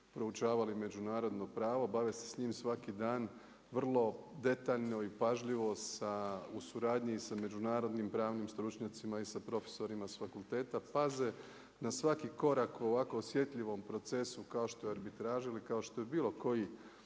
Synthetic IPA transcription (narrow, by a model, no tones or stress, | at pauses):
pɾo̞ut͡ʃaːʋalime̞d͡ʒunaːɾo̞d̪no̞pɾaːʋo̞baʋesesɲiːmsʋakid̪aːn | ʋr̩lˠo̞d̪e̞t̪aʎno̞ipaʒʎiʋo̞sausuɾaːd̪ɲisame̞d͡ʒunaːɾo̞d̪nimpɾaːʋnimst̪ɾut͡ʃɲat̪simaisapɾo̞fe̥so̞ɾimasfakulˠt̪e̞ːt̪apaze̞ | nasʋakiko̞ɾakuoʋako̞osje̞t̪ʎʲiʋo̞mpɾo̞t̪se̞sukaoʃt̪oeaɾbit̪ɾaːʒilikao̞ʃt̪o̞jebiːlˠo̞ko̞ji